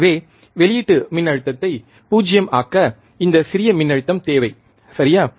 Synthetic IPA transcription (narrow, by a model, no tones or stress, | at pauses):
ʋeː | ʋɛɭɪjɪʈːɯmɪnːɐɻɯt̪ːɐt̪ːɐɪ | puːd͡ʒɪjɐmaːkːɐ | ɪnd̪ɐsɪɾɪjɐmɪnːɐɻɯt̪ːɐmt̪eːʋɐɪ | sɐɾɪjaː